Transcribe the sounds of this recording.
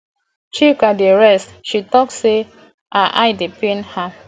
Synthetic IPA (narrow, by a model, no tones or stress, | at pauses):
t͡ʃikadeɹɛstʃitɔk̚se | aʔa̰jdepĩnha